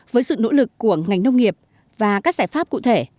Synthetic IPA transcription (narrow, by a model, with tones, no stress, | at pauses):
vəː˨˦jsɨ̰˧˨no̰˧˥lɨ˨˩kːu˧˩əŋa˨˩jŋ̟nə˧wŋ͡mŋi˨˩əp̚ | vaː˨˩kaː˦˥k̚zaː˧˩jfaː˦˥p̚kṵ˧˨t̪ʰe˧˩